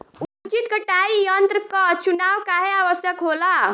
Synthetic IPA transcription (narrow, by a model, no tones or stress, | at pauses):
ut͡ʃit̪kəʈaijənt̪ɾəkət͡ʃunaʋkaɦeaʋəsjəkɦola